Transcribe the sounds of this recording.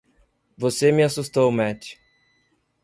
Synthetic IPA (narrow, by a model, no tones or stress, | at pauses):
vosemɪasust̪owmɛt͡ʃɪ̥